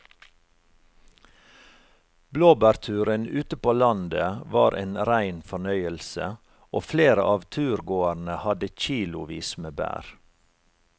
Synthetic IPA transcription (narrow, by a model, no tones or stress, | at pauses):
bloːbæːɾt̪ʰʉːɾənʉːt̪əpoːlɑnd̪əʋɑ̰ːɾʔḛːnɾæɪnfɔɳœʏəlsə̰ | oːfleːɾə̰ʔɑːʋt̪ʰʉːɾɡoːəɾnəhɑd̪əc͡çiːlʊʋḭːsmeːbæ̰ːɾ